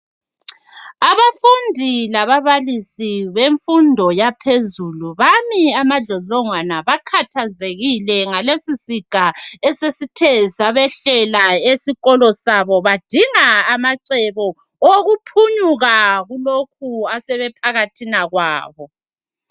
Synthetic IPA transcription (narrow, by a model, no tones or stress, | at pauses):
aβafundʱilaβaβalisiβeɱfundʱɔjapʰezuluβamiamaɮɔɮɔŋwanaβakʰatʰazeɣilɛŋalesisiɡ̥ʱaɛsesitʰɛzaβɛɬɛlaesiɣɔlɔsaβɔβad̥ʱiŋaːmaǀɛβɔ | oɣupʰuɲuɣaɣulok̚ʰuasɛβɛpʰaɣatʰinaɣwa̰ːβɔ